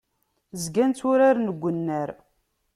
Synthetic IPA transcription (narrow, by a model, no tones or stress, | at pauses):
zɡænt̪ʊɾaɾnəɡʷːənːəɾ